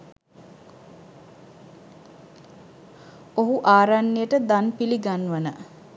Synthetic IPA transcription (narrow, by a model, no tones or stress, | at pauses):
oɦuʔaːɾanːəjəʈəd̪anpiliɡanʋənə